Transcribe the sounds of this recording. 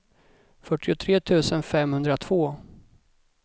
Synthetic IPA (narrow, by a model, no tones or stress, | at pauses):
fœʈːɪʊt̪ʰɾeːt̪ʰʉ̟ːsənfɛmhɵnd̪ɾat̪ʰv̥oː